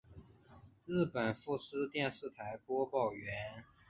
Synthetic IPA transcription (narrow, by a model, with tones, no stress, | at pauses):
ɻ̩˥˩pə˨˩nfu˥˩sɹ̩˥t̪jɛ˥˧nʂɻ̩˥˩t̪ʰa˧˥ɪpwɔ˥pɑ˥˩ʊɥɛ˧˥n